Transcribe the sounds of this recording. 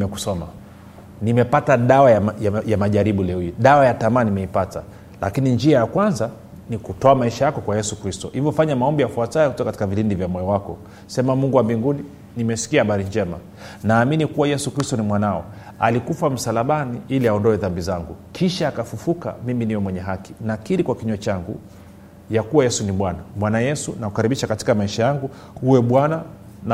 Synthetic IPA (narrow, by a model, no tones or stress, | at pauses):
mɛku̥sɔma̰ | nimɛpataɗawajajajamaʄaɾiɓulɛujiɗawajatamanimɛipata̰ | la̰kinind͡ʒiajakwanza | nikutɔamaiʃajakɔkwajɛsukɾistɔhivjɔfaɲamaɔmbijafuatajɛkutɔkakatikavilindivjamɔɛɔwakɔ | sɛmamuŋɡuwambiŋɡuni | nimɛsi̥kiahaɓaɾind͡ʒɛma̰ | naːminikuwajɛsukɾistɔnimwanaɔ̰ | a̰likufam̩salaɓaniiliaɔndɔɛðambizaŋɡṵkʰiʃaːkafufuka̰miminiwɛmwɛɲɛɦaki̥nakiɾikwakiɲɔɛt͡ʃaŋɡṵ | jakuwajɛsuniɓwanamwanajɛsunakukaɾiɓiʃakati̥kamaiʃajaŋɡu | huwɛɓwana | na